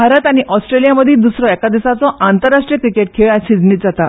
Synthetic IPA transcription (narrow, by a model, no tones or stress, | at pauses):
bʱaɾət̪aɽ̃iʔɔsʈɾelijaməd̪ʱiːd̪usɾɔɛkad̪isat͡sɔʔant̪əɾːaʂʈɾijəkɾikeʈ̚kʰeɭaɕid͡zniːt̪d͡zat̪a